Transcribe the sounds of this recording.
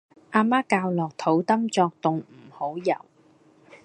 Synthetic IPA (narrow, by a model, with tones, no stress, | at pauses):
ʔaː˧maː˥kaː˧wlɔː˨k̚t̪ʰo˨˥wt̪ɐ˥mt͡sɔː˧k̚t̪ʊ˨ŋm̩˨˩ho˨˥wjɐ̰˨˩w